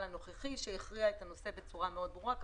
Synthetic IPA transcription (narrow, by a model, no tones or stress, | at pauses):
ano̞χeχiʃejiχʁiaet̪ano̞se̞be̞t͡suʁameo̞d̪bʁuʁak